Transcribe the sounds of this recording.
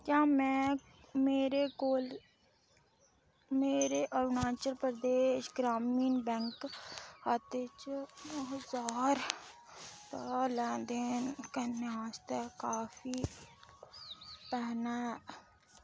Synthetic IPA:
kãːmɛ̃ | meːɾeɡoːl | meːɾeʔəɾnaːt͡ʃəlpɾɾd̪eːʃɡɾaːmiːnbɛ̃ŋkat̪et͡ʃɦzaːɾ | t̪alɛ̃ːd̪enkeneaːst̪ekaːfi | pɛɦnaɦɛ

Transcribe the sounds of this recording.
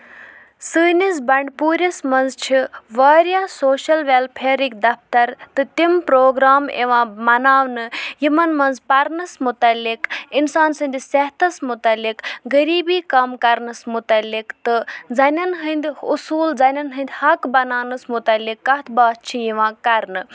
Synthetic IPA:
sɨːnis̬bɐɳɖpuːɾʲɐsmɐnzt͡ʃʰiʋaːɾjaːsoːʃɐlʋelpʰeːɾik̚d̪ɐpʰt̪ɐɾt̪ɨt̪impɾoːɡɾaːmḛʋãːmɐnaːʋnɨjimɐnmɐnzpɐɾnɐsmut̪ɐlːikinsaːnsɨnd̪ʲisɐɦt̪ʰɐsmut̪ɐlːikɡəɾiːbiːkɐmkɐɾnɐsmut̪ɐlːikt̪ɨd͡zɐnʲɐnɦɨnd̪ʲusuːld͡zɐnʲɐnɦɨnd̪ʲhɐkbɐnaːnɨsmut̪ɐlːikːɐt̪ʰbaːt̪̚t͡ʃʰijiʋãːkɐɾnɨ

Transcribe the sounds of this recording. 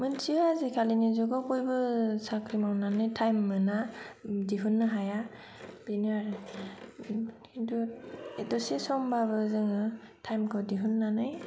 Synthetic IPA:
mɯnt͡ʃiazikʰalinizɔɡakojbɯsakɾimawnanɯjtʰajmːɯnadiɦunːɯɦaja | b̥inaɾ | induetɔsesɔmbabɯzɯŋɯ | tʰajmkʰɯdiɦunːanɯj

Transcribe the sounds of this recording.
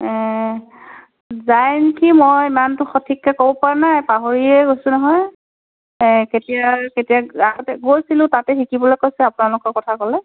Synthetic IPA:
ɛ̃ | zajnkimɔjimantʊxɔtʰikːɛkobɔpanajpaɦoɹiɛɡojsʊ̃nɔɦɔj | ɛketijaketijaaɡɔtɛɡojsilʊ̃tatɛxikibɔlɔjkojsɛapunalʊkɔɹkɔtʰakɔlɛ

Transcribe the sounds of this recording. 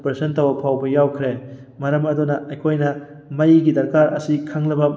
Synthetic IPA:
pɾsentɐwɐpʰawbɐjawkʰɾe | mɐɾɐmɐdunɐʔɐjkʰojnɐ | mɐjɡidɐɾkaɾɐsikʰaŋlɐbɐ

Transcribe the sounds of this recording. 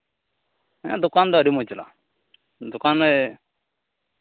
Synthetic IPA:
ã̰d̪ʊkaːnd̪aɾimot͡ʃla̰ | d̪ʊkaːne

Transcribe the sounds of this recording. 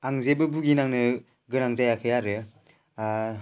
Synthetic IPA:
aŋzebɯbuɡinaŋnɯ | ɡɯnaŋzajakʰɯjaɾɯ

